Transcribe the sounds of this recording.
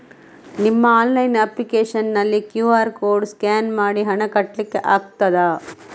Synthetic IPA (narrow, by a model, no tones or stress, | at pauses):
nimːɐaːnlɐjnɐplikeːʂɐnːɐlːikjuːaːɾkoːɾɖskaːnmaːɽiɦɐɳɐkɐʈːlikːeʔaːɡt̪ɐd̪aː